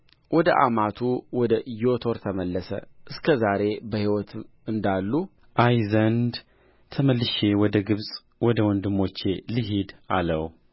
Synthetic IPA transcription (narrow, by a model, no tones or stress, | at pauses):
wɔd̪əʔa̰mat̪ʰuwɔd̪əjot̪ʰoɾt̪ʰəməlːəsə̰ʔɨskʰəzaɾe̞bəhiwɔt̪ʰ | ɨnd̪alːu | ʔajzənd̪ | t̪ʰəməlːɨʃewɔd̪əɡɨβsʼ | wɔd̪əwɔnd̪ɨmːo̞t͡ʃːelɨɦid̪aləw